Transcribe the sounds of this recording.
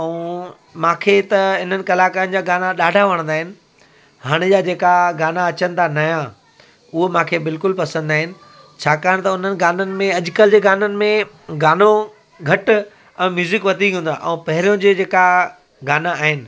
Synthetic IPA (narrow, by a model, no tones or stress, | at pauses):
ɛũ | mãːkʰet̪ɐɪn̤ənɪ̆kɐlaːkaɾənɪ̆d͡ʑaːɡaːnaɗaːɖʱaʋɐɽ̃nd̪aːɦɪnɪ̆ | haːɽ̃ɪd͡ʑaːd͡ʑeːkaɡaːnaɐt͡ɕənɪ̆t̪ʰanaːjã | ʊɦomãːkʰebɪlkʊlpɐsə̃nd̪aːɦɪnɪ̆ | t͡ɕʰaːkaːəɽ̃t̪ɐʊn̤ənɪ̆ɡaːnənɪ̆mẽɐʄʊkəld͡ʑeːɡaːnənɪ̆mẽ | ɡaːno | ɡʱɐʈ | ɛ̃ːmjuːzɪkʋɐt̪ĩũːnd̪aʔɛ̰̃ũpɐɦɪɾijõd͡ʑeːd͡ʑeːka | ɡaːnaaːɦɪnɪ̆